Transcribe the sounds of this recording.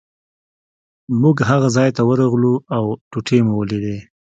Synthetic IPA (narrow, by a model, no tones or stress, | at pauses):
muɡɦaɣazɑjt̪awəɾaɣluawʈuʈʰemuwəled̪e